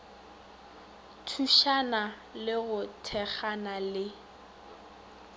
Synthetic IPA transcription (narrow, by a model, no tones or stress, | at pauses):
tʰuʃana | lɪɣʊtʰɛk͡xanalɪ